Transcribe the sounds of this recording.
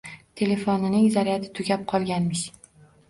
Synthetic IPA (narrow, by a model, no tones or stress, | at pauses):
t̪ʰe̞le̞fonɪnɪŋzaɾijat̪ʰɪ̥t̪ʰʊɡʲap̚qʰɒlˠɡʲanmɪʃ